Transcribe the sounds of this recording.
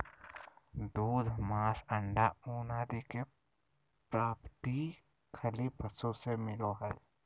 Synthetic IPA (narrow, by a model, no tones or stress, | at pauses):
d̪uːd̪ʱmaːsəɳɖauːnaːd̪ike | pɾaːpt̪i | kʰəlipʰəsõsemɪloɦɛː